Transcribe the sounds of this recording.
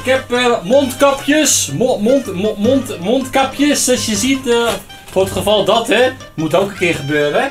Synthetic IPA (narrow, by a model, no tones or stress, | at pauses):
ɪkɦɛpəmontkɔpjəsmnmontmontkapjəsɔsjəzit | fʊrətχəfɔlˠdɔtɛ | mutɛwkəkɪrχəbøːɾə